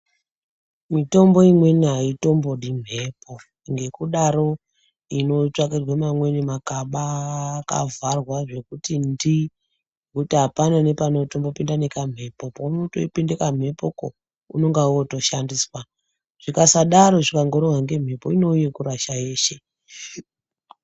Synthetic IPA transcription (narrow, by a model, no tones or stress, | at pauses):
mito̞mbo̞imwe̞niɦaito̞mbo̞ɗim̤ʱeːpo̞ | ŋɡe̞kuɗaɾo̞ | ino̞t͡ʂwakerwamamwe̞nemakaɓaka̰varwaʐe̞kutindi | kutiɦapanane̞pano̞to̞mbo̞pindanekam̤e̞po̞pauno̞to̰ipindekam̤e̞poko̰ | ṵno̞ŋɡauoto̞ʃandiswa | ʐ̥ikasaɗaɾo̞ʐikaŋɡoɾowaŋɡe̞m̤ʱepoino̞uje̞kuɾaʃae̞ːʃe̞